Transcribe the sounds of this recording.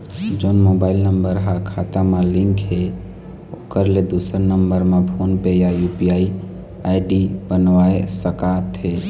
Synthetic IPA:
d͡ʒoːnmobaɪlnəmbəɾɦakʰat̪amãlɪ̃ŋkɦe | okəɾled̪usəɾnəmbəɾmẽpʰonpejajupijai | aɪɖibənʋaḛsəkat̪ʰe

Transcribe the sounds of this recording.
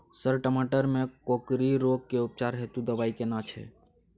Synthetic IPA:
səɾʈəmaʈəɾmekokɾiɾoɡ̚keup̚t͡ʃaɾɦet̪ud̪əbaikenat͡ʃʰɛ̰

